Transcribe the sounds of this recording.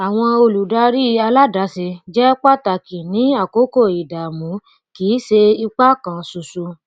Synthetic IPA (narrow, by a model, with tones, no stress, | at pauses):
a˨w̃ɔ̃˧o˧lu˨da˨˦ɾi˦a˧la˦da˨˦se˧d͡ʒɛ˦k͡pa˦˨ta˨ki˨nĩ˨˦a˦˨ko˨˦ko˦˨i˨da˨mũ˨˦ | kiː˨˦ʃe˧i˧k͡pa˦kã˨su˨su˧